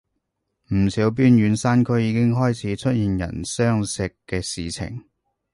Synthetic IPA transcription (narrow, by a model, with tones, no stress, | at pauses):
m̩˨˩siː˨˥wp̬iː˥nɥyː˨˧nsa˥nkʰɵ˨˧ɥjiː˨˧kɪ˥ŋɦɔː˥jt͡sʰiː˨˥t͡ʃʰɵ˥t̚jiː˨njɐ̰˨˩nsœː˥ŋsɪ˨kːɛː˧siː˨t͡sʰɪ̰˨˩ŋ